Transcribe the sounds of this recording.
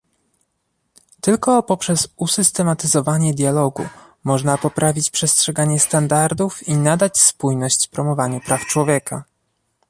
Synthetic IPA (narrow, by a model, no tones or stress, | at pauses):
t̪ɘlkɔpɔpʂɛzusɘst̪ɛmat̪ɘzɔvaɲɛd̪ʲjalɔɡṵ | mɔʐnapɔpɾavʲit͡ɕpʂɛstʂɛɡaɲɛst̪and̪aɾd̪ufinad̪at͡ɕspujnɔɕt͡ɕpɾɔmɔvaɲupɾaft͡ʂwɔvʲjɛka